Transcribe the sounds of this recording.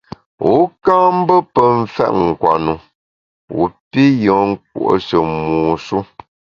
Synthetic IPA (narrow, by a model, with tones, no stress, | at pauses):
wu˨˦kaː˦m̩˦bə˦pə˨ɱ̩˦fɛ̰˦ʔŋ̩˨kwa̰˨nu˨ | wṵ˨pi˦jɔ̃˨˦ŋ̩˦k̚ṵ˨ʔo̰˨ʃə˨muː˨ʃu˦